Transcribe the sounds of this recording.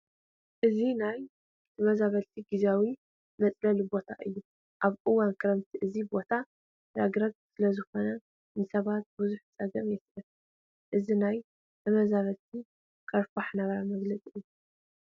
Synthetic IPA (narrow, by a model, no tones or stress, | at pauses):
ʔɨzinaj | t̪ʰɐmɐzaβɐlt̪ʰiɡɨzawi | mɐt͡sʼlɐlibo̞t̪ʰaʔɨjːu | ʔaβʔʼɨwankʰɨɾɐmt̪ʰiʔɨzibo̞t̪ʰa | ɾaɡɾɐɡ̚sɨlɐzɨxo̞nɐ | nɨsɐβat̪̚buzuħt͡sʼɐɡɐɾjɛsɾɐt̪ | ʔɨzinaj | t̪ʰɐmɐzaβɐlt̪ʰi | kʰɐɾfaħnɐɣɐɾamɐɡlɐt͡sʼijːu